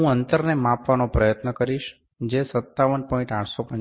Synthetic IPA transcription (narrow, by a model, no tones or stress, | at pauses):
ɦũənt̪əɾnemãpʋanopɾəjət̪nəkəɾiʃ | d͡ʒesət̪ːaʋənpɔ̃ĩɳʈãʈʰsopə̃ɲ